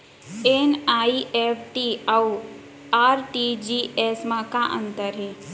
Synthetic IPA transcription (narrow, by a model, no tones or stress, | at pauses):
enaːiepʰʈiau | aːɾʈid͡ʒiesmãkaʔə̰̃nt̪əɾɦe